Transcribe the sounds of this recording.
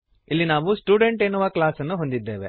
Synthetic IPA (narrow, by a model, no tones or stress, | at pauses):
ilːinaːʋusʈuːɖe̞ɳʈeːnːuʋɐklaːsɐnːuɦo̞nd̪id̪ːe̞ːʋe